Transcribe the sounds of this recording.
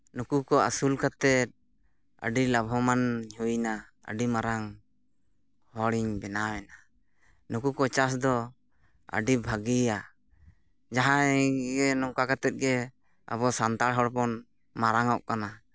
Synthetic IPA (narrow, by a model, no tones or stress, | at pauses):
nukukɔasulkat̪ɛt̪̚ | ə̰ɖilabʱɔmanɲujna | ə̰ɖimaɾaŋ | hɔɽiɲbɛnawɛna | nukukɔt͡ʃas̬d̪ɔ | ə̰ɖibʱaɡia | d͡ʒaɦãɡɛnɔŋkakat̪ɛt̪̚ɡɛ | a̰bɔsant̪aɽɦɔɽpɔn | maɾaŋɔʔkana